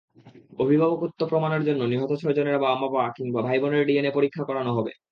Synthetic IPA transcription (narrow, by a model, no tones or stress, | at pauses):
obʱibʱabokot̪ːopɾomaneɾd͡ʑonːoniɦot̪ot͡ɕʰɔd͡ʑoneɾbaamːapakiŋbabʱajboneɾɖienepoɾikʰːakɔɾanoɦɔbḛ